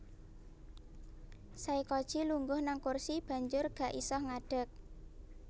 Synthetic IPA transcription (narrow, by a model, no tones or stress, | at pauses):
saikɔd̥ʒ̥i̤luŋɡʊhnaŋkursib̥ä̤ɲd͡ʒʊrɡ̥ä̤ʔisɔhŋaɖ̥ə̤k̚